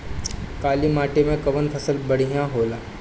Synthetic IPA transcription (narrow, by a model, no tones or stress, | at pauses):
kaːlimaːʈemẽkɐʋənpʰɐsəlbɐɽ̤ijãɦoːlaː